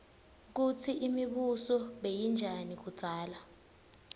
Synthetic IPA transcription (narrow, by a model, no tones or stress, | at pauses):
k̬ut͡sʰiʔimiɓusɔɓejind͡ʒʱanik̬ud̥ʱaːla